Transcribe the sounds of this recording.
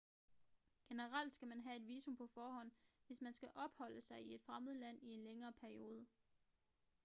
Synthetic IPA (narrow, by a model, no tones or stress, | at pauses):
ɡ̥e̝nəʁɑl̰d̥sɡ̥æmænɦæe̝d̥ʋiːsompʰɒ̽fɒːhɒ̽n̰ʋe̝smænsɡ̥æʔɒ̽b̥hɒ̽l̰əsɑ̈ɪie̝d̥fʁaməð̞̩ˠəlæn̰ie̝nleŋɐːpʰæɐio̝ːð̞ˠə